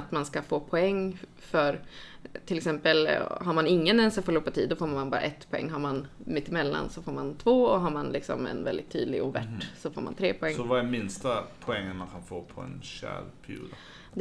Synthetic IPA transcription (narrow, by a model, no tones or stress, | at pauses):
t̪manskafoːpʰɔɛŋː | fœɾ | t̪ʰɪlɛksɛmpəlɦaɾmanɪŋːənɛnsafɔlupːat̪ʰiːd̪ɔfoːɾmnmanbɑ̰ːɾa̰ʔɛt̪ːpʰɔɛ̰ŋːɦaɾmanmɪt̪ːɪmɛlːa̰nsɔfoːɾmant̪ʰvoːɔɦaɾmanlɪksɔ̰mɛ̰nvɛld̪ɪt̪ʰːy̰ːd̪lɪɡʊvæ̰ʈːsɔfoːɾma̰nt̪ʰɾeːpʰɔɛŋːɔvamɪnst̪apʰʊɛŋːənmankʰanfoːpʰɔɛ̰nɕæ̰lpʰæɾjṵːd̪ | d̪